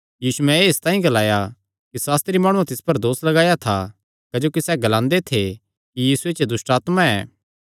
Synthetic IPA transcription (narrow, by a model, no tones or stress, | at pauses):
jiːsuɛ̃eːɪst̪ãːɦĩɡɐlaːja | kisaːst̪ɾimaːɽ̃uat̪ɪspɐɾd̪oːslɐɡaːjat̪ʰa | kɐd͡ʒoːkisɛɡɐlãːnd̪et̪ʰe | kijiːsuet͡ʃed̪ʊsʈaːt̪mãɛː